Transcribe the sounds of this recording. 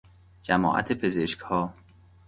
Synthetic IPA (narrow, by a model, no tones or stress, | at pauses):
d͡ʒæmɒ̰ːʔæ̰t̪ʰepʰezeʃkhɒː